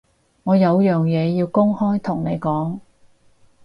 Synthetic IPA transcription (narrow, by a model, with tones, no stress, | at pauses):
ŋɔː˨˧jɐ˨˧wjœː˨ŋjɛː˨˧jiː˧wkʊ˥ŋhɔː˥jt̪ʰʊ˨˩ŋne˨˧jkɔː˨˥ŋ